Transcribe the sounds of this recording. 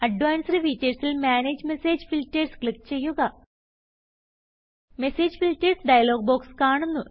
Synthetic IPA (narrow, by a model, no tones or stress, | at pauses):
ɐɖʋaːnsɐɾifiːtːeɾsilmaːneːd͡ʑme̞seːd͡ʑfiltːerskɭikːt͡ɕe̞jːuɣɐ | meseːd͡ʑfiltersɖɐjɐlo̞ːɡ̚boːkskaːɳunːu